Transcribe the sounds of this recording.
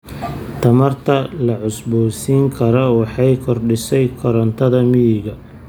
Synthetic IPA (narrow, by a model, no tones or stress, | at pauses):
t̪ʰɐmɐrt̪ʰɐlɐʕʊsbɔːsiːŋkʰɐɾɔwɑħɑjkʰɔrɖɪsɛjkʰɔɾɐnt̪ʰɐðɐmɪjɪɣɐ